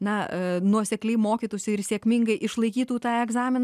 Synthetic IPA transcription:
nɐnuɔsʲɛklʲɛɪmoːkʲiːt̪oːsʲʊɪɾsʲeːkʲmʲɪŋɡɐɪʔɪʃlˠɐɪkʲiːt̪uːt̪ɑːɛɡzɑːmʲɪn

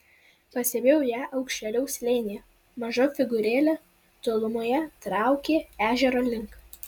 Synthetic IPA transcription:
pɐsʲeːbʲeːjɛʊjæːʔɐʊkʃʲt͡ʃʲɛlʲɛʊsʲlʲeːnʲɪjɛ | mɐʒoːfʲɪɡʊɾʲeːlʲoː | t̪oːlˠʊmoːjɛt̪ɾɑˑʊkʲeːæːʒʲɛɾoːlʲɪŋk

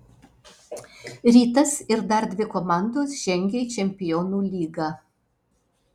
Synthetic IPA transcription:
ɾʲiːt̪ɐsɪɾd̪ɐɾd̪ʲʋʲɪkɔmɑˑnd̪oːsʒ̥ʲɛŋʲɡʲet͡ʃʲɛmʲpʲɪjoːnuːlʲiːɡɑː

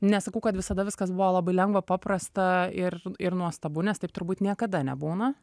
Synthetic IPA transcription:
nʲɛsɐkɐʊkɐt̪ʋʲɪsɐd̪ɐʋʲɪskɐsbʊʋoːlˠɐbɐɪlʲɛŋɡʋɐpɑːpɾɐst̪ɐɪrɪɾnuɔst̪ɐbʊnʲɛst̪ɐɪp̚t̪ʊɾbuːt̪nʲiɛkɐd̪ɐnʲɛ̰buːnɐ

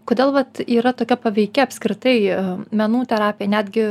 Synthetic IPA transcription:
koːd̪ʲeːlˠʋɐt̪iːɾɐt̪oːkʲɛpɐʋʲɛɪkʲɛɐpʲsʲkɾʲɪt̪ɐɪmʲɛnuːt̪ʲɛɾɑːpʲɪjɛnʲæːd̪ʲɡʲɪ

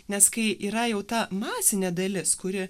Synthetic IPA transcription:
nʲɛskɐɪʔiːɾɐjɛʊt̪ɐmɑːsʲɪnʲeːd̪ɐlʲɪskʊɾʲɪ

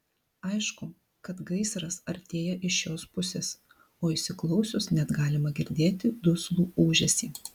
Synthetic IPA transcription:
ɐɪʃkʊ | kɐt̪ɡɐɪsɾɐsɐɾʲt̪ʲeːjɛʔɪʃʲjoːspʊsʲes | oːɪsʲɪklˠɒʊsʲʊsnʲɛt̪ɡɑːlʲɪmɐɡʲɪɾʲd̪ʲeːt̪ʲɪd̪ʊslˠuːuːʒʲɛsʲiː

